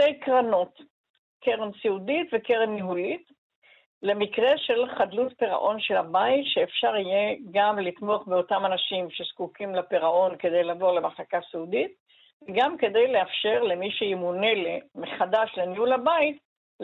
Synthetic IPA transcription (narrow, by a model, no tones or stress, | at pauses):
tejkʁanot | keʁemsiuditvekeʁemniɦulit | le̞mikʁe̞ʃe̞lχadlutpeʁa̰ʔo̞nʃe̞labaitʃeːfʃaʁijeɡamlit̪mo̞aχbeotamanaʃimʃe̞skukimlapeʁaʔo̞nke̞d̪e̞jlaːvo̞ʁlemaχlakasiudit̚ | veɡamke̞d̪e̞jleafʃe̞ʁle̞miʃeimunelemeχadaʃlenihulabaait